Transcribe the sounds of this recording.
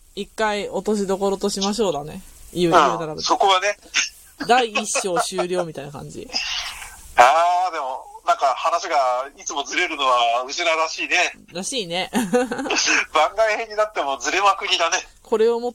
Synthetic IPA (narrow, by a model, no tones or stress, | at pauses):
ikːaio̞t̪o̞ɕ̬id̪o̞ko̞ɾo̞t̪o̞ɕimaɕ̬o̞ːd̪ane̞̰jɯ̟ːɯ̃ɯːd̪aɾabɯso̞ko̞βane̞ | d̪aiːɕːo̞ːɕɨːɾʲo̞ːmʲit̪ainakã̰ɲ̟d͡ʑḭ | aːd̪e̞mo̞nãŋkahanaɕiɡait͡sɨmo̞zɨɾe̞ɾɯ̟no̞βaɯ̟ɕinaɾaɕiːne̞ɾaɕiːne̞ | bãŋɡaihe̞ɲ̟ːinat̪ːe̞mo̞d͡zɨɾe̞makɯ̟ɲ̟id̪ane̞ | kʰo̞ɾe̞omo